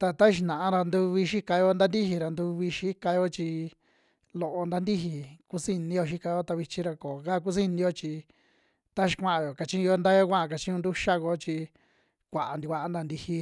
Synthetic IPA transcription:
t̪a˧t̪a˦˧ʃ̬i˧nã˨ã˧ɾa˧nd̪u˧βi˧ʃi˦ka˧jo˧˦nd̪a˦nd̪i˦hi˧ɾa˧nd̪u˧βi˧ʃi˦ka˧jo˦t͡ʃi˧ | lo˧˨ʔo˧nd̪a˦nd̪i˦ɦi˧ku˧si˦˧nĩ˧jo˧ʃ̬i˦ka˧jo˦t̪a˧βi˧t͡ʃĩ˧ɾa˧ko˨ka˦˧k̬u˦s̬i˦nĩ˧jo˦t͡ʃi˧ | t̪a˦ʃi̥˧kʷã˦ã˧jo˨ka˧t͡ʃĩ˦˧o˧˦nd̪a˦jo˦kʷã˦ã˧k̬a˨˧t͡ʃĩ˦ũ˧nd̪u˦ʃa˦ko˧t͡ʃi˧ | kʷa˨a˨nd̪i˧kʷa˧a˦nd̪a˧nd̪i˧hi˧

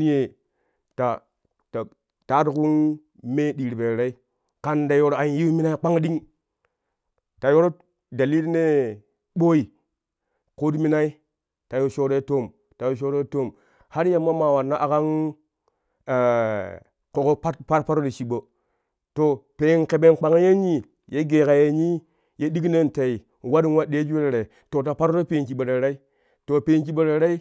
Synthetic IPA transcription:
n˦je˨ | ta˨ | ta˨ | ta˦tku˦n | me˦ɗi˨ɾbe˨ɾɾe˦i˦ | ka˦nda˨jo˦ɾa˨n˦ji˦mi˦na˦i˦k͡pa˦ŋ˦ɗi˦ŋ | ta˨jo˦ɾo˦ | da˨li˦tne˦ | ɓo˦i˨ | ko˦tmi˦na˦i˦ | ta˨jo˦ʃo˦ɾe˦to˦˨m | ta˨jo˦ʃ̬o˦ɾe˦to˦˨m | ha˦ɾja˨mːa˦ma˨wa˨nːa˦ʔa˨ka˦n˨ | ko˨ko˦pa˦tpa˦ɾpa˦ɾo˦ɾe˨t͡ʃi˨ɓo˨ | to˨pe˨˦nke˨be˦nk͡pa˨ŋa˦je˦ɲi˦ | je˦ɡe˨ka˨je˦ɲi˦ | je˦di˦ɡne˦nte˨i˨ | wa˦di˦nwa˦ɗe˦d͡ʒi˦e˦ɾe˨ɾe˨ | to˨t̬a˨pa˦ɾo˦ɾe˦pe˨nki˨ɓo˨ɾe˨ɾa˦i˦ | to˨pe˨˦nt͡ʃi˦ɓo˦ɾe˨˦ɾe˦i˦

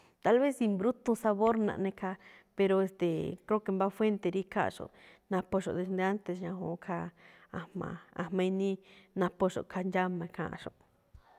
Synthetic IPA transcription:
t̪a˧lβe˦si˧mbɾu˦t̪ũ˧sa˧βo˦ɾnã̰˨ʔnẽ˧kʰa˧pe˧ɾo˧e˧st̪e˨kɾe˦ke˧mba˦fwe˦nt̪e˧ɾi˦kʰa̰˦˧ʂo̰˨ | nã˧po˧ʃo̰˨d̪e˧nd̪e˧a˦nt̪e˧sɲã˧hõ̰˨˧kʰa˧a˧mã̰˧a̰˧mã˧i˧nĩ˦nã˧po˧ʂo̰˨kʰa˧nd͡ʒa˦mã˧kʰã̰˧ʔã̰˧ʂo̰˨ʔ

